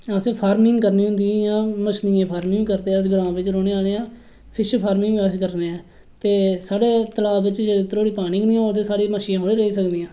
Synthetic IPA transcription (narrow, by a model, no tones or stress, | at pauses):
ãːsẽːpʰaːɾmɪ̃ŋɡkəɾniːɦʊ̃nd̪ĩːjãːməʃniẽːpʰaːɾmɪ̃ŋɡkəɾd̪eːəs̬ɡɾãːʋɪt͡ʃɾoːɽeːaːleːãː | pʰɪʃpʰaːɾmɪ̃ŋɛːskəɾneːɛː | t̪eːsaːɽeːt̪əlaːɪt͡ʃd͡ʒt̪ɾoːɽiːpaːnɪ̃ŋɡnĩːoːlt̪eːsaːɽeːməʃiːãːɦoːɽeːɾəiːsəkd̪ijãː